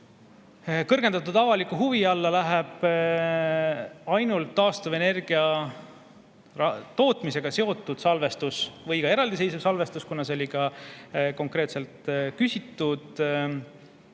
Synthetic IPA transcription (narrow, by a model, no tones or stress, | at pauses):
kɤrɡ̥e̞nd̪̥ɑt̪ːud̪ɑvɑlikːˑuɦuviɑlːɑlæɦeb̥ | ɑjnult̪ːɑːst̪ɑve̞ne̞rɡ̥iɑ | ɑt̪o̞ːt̪mise̞ɡ̥ɑse̞o̞t̪ːˑud̪̥sɑlve̞st̪usvɤjɡɑe̞ɾɑld̪ise̞jsuvsɑlve̞st̪uskunɑseolʲiɡɑko̞ŋkɾe̞ːt̪se̞lt̪kysʲit̪ˑːud̪̥